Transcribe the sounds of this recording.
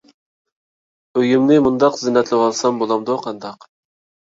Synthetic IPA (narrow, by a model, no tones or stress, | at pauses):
øjymnɪmund̪ɑqzɪnːɛt̪lɪwɑlˠsɑmbolˠɑmd̪oqʰɑnd̪ɑq